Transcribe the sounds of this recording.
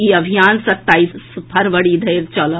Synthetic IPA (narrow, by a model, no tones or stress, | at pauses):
iɐbʱijaːnsɐt̪ːaːisspʰɐɾʋɐɽiːd̪ʱɐjɾt͡ʃɔl